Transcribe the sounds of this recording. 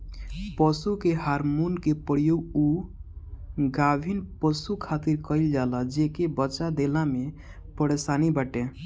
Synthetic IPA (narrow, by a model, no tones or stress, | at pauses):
pəsukeɦaɾmunkepəɽijuu | ɡabʱinpəsukʰat̪iɾkəɪld͡ʒalad͡ʒekebət͡ʃad̪elame | pəɾesanibəʈẽ